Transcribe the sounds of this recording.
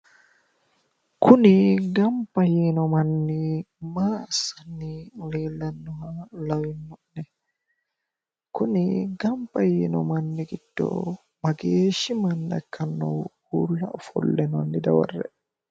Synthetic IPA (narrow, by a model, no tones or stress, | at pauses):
kʰuniɡampajinɔmanːi | masanːilɛlɛnːɔhalawinːɔʔnɛ | kʰuniɡampajɛnɔ̰manːiɡidːɔ̰ | maɡeːʃimanːa̰kʰːanːɔ̰ | ulːaʔɔfɔ̰lːɛnɔnːidawa̰rːɛ̰